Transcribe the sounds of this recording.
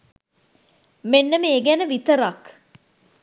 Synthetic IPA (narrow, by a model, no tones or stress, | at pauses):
menːəməeɡænəʋit̪əɾak